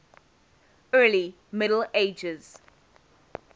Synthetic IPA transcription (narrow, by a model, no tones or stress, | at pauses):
ɜːli | mɪɾl̩eɪd͡ʒɪz̥